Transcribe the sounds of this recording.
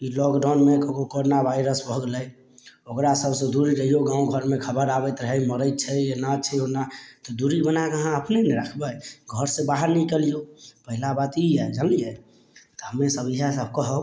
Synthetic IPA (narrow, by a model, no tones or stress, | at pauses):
ilɔkɖawnmekəkokoɾonabʱaɪɾəsbʱəɡləj | okɾasəbʱsə̃d̪uɾiɾəɦijoɡãũɡʱəɾmekʰəbəɾabɛt̪ɾəɦɛjməɾəjt̪̚t͡ʃʰɛjenat͡ʃʰɛonat̪ɔd̪uɾibənakəɦãəpnenɛɾəkʰbəɡʱəɾsẽbaɦəɾnikelijopəɦilabat̪ijɛd͡ʒəlijɛ | t̪ɔɦəmesəbiɦasəb̚kəɦə